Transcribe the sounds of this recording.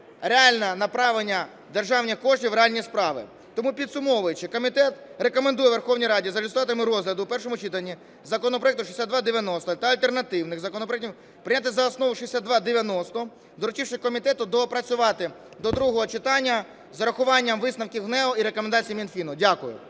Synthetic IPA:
reɑlʲnɐnɐpɾɑʋenʲːɐ | d̪erʒɑwnʲikɔʒnʲiʋɾeɑlʲnʲispɾɑʋɪ̰ | t̪ɔmupʲid̪sʊmɔʋʊjet͡ʃɪkɔmʲit̪ɛt̪ɾe̞kɔmend̪ujɛʋerxɔwnʲijɾɑdʲizɐlʲɪst̪ɔʋɑt̪ɪmɪɾɔzɦlʲɐd̪ʊːpɛrʃɔmʊt͡ʃit̪ɐnʲːi | zɐkɔnɔpɾɔɛk̚t̪ʊʃisʲad̪ʋɑd̪eʋʲjɐnɔst̪ɔt̪ɐɐlʲt̪e̞rnɐt̪ɪwnɪxzɐkɔnɔp̬ɾɔɛktʲiw | pɾɪnʲat̪ɪzɐɔsnɔʋʊʃisʲad̪ʋɑd̪eʋʲjɐnɔst̪ɔ | d̪ɔɾʊt͡ʃʲiwʃɪkɔmʲit̪ɛt̪ʊd̪ɔpɾɐt͡sʲʊʋɑt̪ɪ | d̪ɔd̪ɾuɦɔɦɔt͡ʃɪt̪ɑnʲːɐ | zɐɾɐxʊʋɑnʲːɐmʋɪsnɐwkʲiɦnɛɔiɾekɔmend̪ɑt͡sʲijimʲinfʲinʊdʲakʊjʊ̰

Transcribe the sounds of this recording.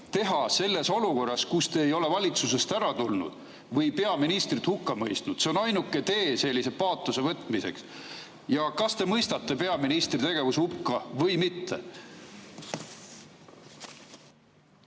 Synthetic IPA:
t̪e̞ɦɑse̞lːe̞so̞luko̞rːɑskust̪e̞ːjo̞le̞vɑlʲit̪suse̞st̪æɾɑt̪ulnṵd̪̥ | vɤjpe̞ɑminist̪rit̪hukːɑmɤjst̪nud̪̥seo̞nɑjnukːˑe̞t̪e̞ːse̞lʲːise̞pɑːt̪ːˑuse̞vɤt̪ːˑmise̞̰ks | jɑkɑst̪e̞mɤjst̪ɑt̪ːe̞pe̞ɑminist̪rit̪e̞ɡ̥e̞vushupkːɑvɤjmit̪ːḛ

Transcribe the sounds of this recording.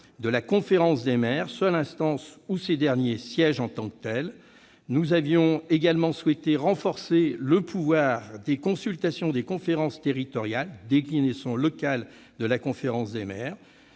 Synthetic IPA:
d̪əlakɔ̃feʁɑ̃sd̪emɛʁswalɛ̃st̪ɑ̃sused̪ɛʁnjesjɛʒɑ̃t̪ɑ̃kt̪ɛl | nuzavjɔ̃eɡalmɑ̃swɛt̪eʁɑ̃fɔʁseləpʰuvwaʁd̪ekɔ̃sylt̪asjɔ̃d̪ekɔ̃feʁɑ̃st̪eʁit̪ɔʁjald̪eklinesɔ̃lɔkal | d̪əlakɔ̃feʁɑ̃sd̪emɛːʁ

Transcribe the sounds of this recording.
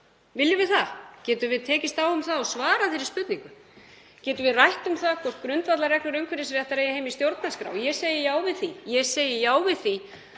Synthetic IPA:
vɪljʏvɪðθacɛːt̪ʏvɪðt̪ʰɛːcɪst̪awʏmθaðɔsvaːɾafɪɾɪ̥ɾspʏt̪niŋkʏ | cɛːt̪ʏvɪðrajht̪ʏmθaðkʰɔr̥t̪̚kɾʏnt̪vat̪laɾɛklʏɾœɥŋkʰvɪɾɪs̬ɪɾɛht̪aɾejɪheːjmist̪jowɾt̪naskɾa̰ːwjɛseːjɪjaːwvɪðθijɛseːjɪjaːwvɪðθi

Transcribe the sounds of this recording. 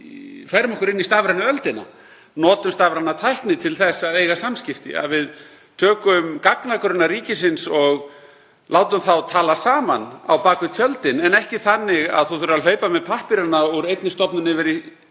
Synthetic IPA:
fajɾmɔhkʏɾɪnːist̪aːvɾanʏœlt̪ɪna̰ | nɔːt̪ʏmst̪aːvɾanːat̪ʰajhknɪt̪ʰɪlθɛsaðeːjɣasamscɪft̪ɪ̰a̰ðvɪð | t̪ʰœːkʏmkaknakʏɾʏnːaɾiːcɪsɪnsɔɣ | lʔaːwt̪ʏmθawt̪ʰaːlasaːmana̰wpaːkʏt̪ʰjœlt̪ɪnɛnɛhcɪθanːɪɣa̰ðθuθʏɾʏɾal̥œːɥpamɛðpʰahpɪɾanːauɾejt̪nɪst̪ɔpnʏnɪvɛɾɪ

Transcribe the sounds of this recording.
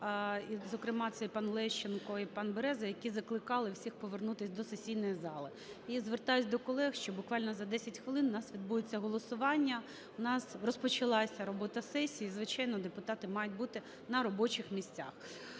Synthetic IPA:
izɔkɾɪmɑt̪sɛjpɑnlˠɛʃt͡ʃenkɔipɑnbeɾɛzɐjɐkʲizɐklˠɪkɑlˠɪwsʲixpɔʋernut̪ɪsʲd̪ɔsesʲijnɔjizɑlˠɪ | izʋert̪ɑjʊtʲd̪ɔkɔlˠɛxʃt͡ʃɔbʊkʋɑlʲnɔzɐd̪ɛsʲɐtʲxʋɪlˠɪnʊnɑsʋʲid̪bujet͡sʲːɐɦɔlˠɔsʊʋɑnʲːɐ | ʊnɑsrɔspɔt͡ʃɪlˠɑsʲɐɾɔbɔt̪ɐsɛsʲijizʋɪt͡ʃɑjnɔd̪epʊt̪ɑt̪ɪmɑjʊt̚ʲbut̪ɪ | nɐɾɔbɔt͡ʃɪxmʲisʲt͡sʲa̰x

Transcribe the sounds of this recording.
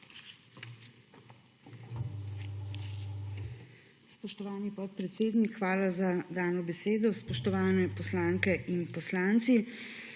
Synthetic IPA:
spɔʃt̪ɔʋaːnipɔt̪̚pɾɛt̪seːd̪nikxʋaːlazad̪aːnɔbɛseːd̪ɔspɔʃt̪ɔʋaːnɛpɔslaːŋkɛʔinpɔslaːnt̪si

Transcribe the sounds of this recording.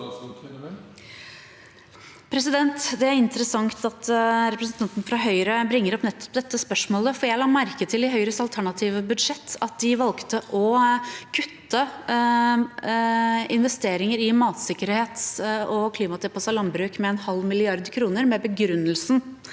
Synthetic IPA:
pʰɾɛsɪd̪ɛnt̪d̪ɛæɾɪnt̪əɾəsɑŋt̪ɑt̪ɾɛpɾəsnt̪ʰɑnt̪n̩fɾɑɦœʏɾəbɾɪŋːəɾɔpnɛt̪ːɔ̥pd̪ɛt̪ːəspœʂmoːləfɔɾjæɪlɑːmæɾkət̪ʰɪlɪɦœʏɾəsɑlt̪ʰæɳɑt̪ʰiːʋəbʉd̪ʂɛt̪ːɑt̪̚d̪ɪʋɑlkt̪əʔɔkʰʉt̪ːə | ɪnʋɛst̪eːɾɪŋəɾɪmɑːt̪sɪkːəɾheːt̪ɔkʰliːmɑt̪ʰɪpʰɔsɑlɑmbɾʉːkmɛːnhɑlːmɪlɪɑɾd̪kʰɾuːnəɾmɛbəɡɾʉnːəlsn̩

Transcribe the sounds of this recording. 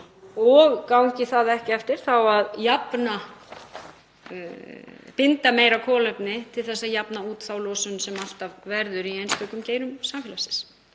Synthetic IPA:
ɔɣkawɲcɪθaðɛhcɪɛft̪ɪɾ̥θawaðjapna | pɪnt̪ameːjɾakʰɔːlɛpnɪt̪ʰɪlθɛsːaðjapnauːt̪θawlɔːsʏnsɛmal̥t̪avvɛɾðʏɾiejnst̪œkʏmceːjɾʏmsamfɪlasɪ̥ns

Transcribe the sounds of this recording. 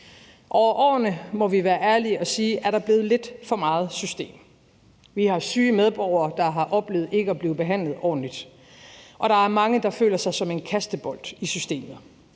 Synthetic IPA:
ʔɒʊɐʔɒ̰ːnəmɒ̽ʋiʋæːɐʔæɐliɒ̽siːʔæɐɾ̥ɑ̈b̥le̝ːð̩ˠle̝d̥fɒ̽mɑ̈ːð̞̩ˠsysd̥e̝̰ːm | ʋihɑ̈syːmeð̞ˠb̥ɒʊ̰ɐːd̥ɑ̈ɦɑ̈ʔɒ̽b̥le̝̰ːð̩ˠe̝ɡ̥əɒbliːb̥e̝ɦæn̰lð̞̩ˠɒ̰ːn̩lid̥ | ʔɒ̽ɾ̥ɑ̈æɐmɑ̈ŋəd̥ɑ̈fø̰ːlɐsɑ̈ɪsɒ̽me̝nkʰæsd̥əb̥ɒ̽l̰d̥isysd̥e̝̰ːmð̩ˠ

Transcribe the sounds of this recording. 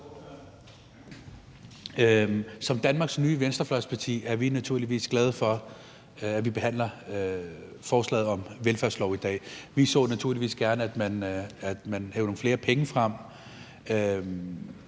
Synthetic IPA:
sɒ̽md̥ænmɑ̈ɡ̥snyːʋensd̥ɐflœspʰɑ̈t͡sʰḭːæɐʋinæt͡sʰuɐ̰liʋḭːsɡ̥lɛð̞ˠfɒ̽ | æʋib̥e̝hæn̰lɐ | fɒːslɛ̰ːð̩ˠɒ̽mʋelfæɐslɒʊid̥ɛ̰ːʋisɒ̰ːnæt͡sʰuɐ̰liʋḭːsɡ̥æɐnəæd̥mænæd̥mænhɛ̰ʊnoŋ̩fle̝ːɐpʰeŋəfʁɑ̈m̰ | ø

